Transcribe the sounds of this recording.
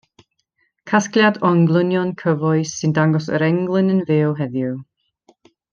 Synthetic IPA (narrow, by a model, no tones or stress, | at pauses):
kʰaskljadɔŋɡlˠənjɔnkʰəvɔjsːɨndaŋɡɔs̬ə̰ɾɛŋɡlˠɪnənveːwɦɛðju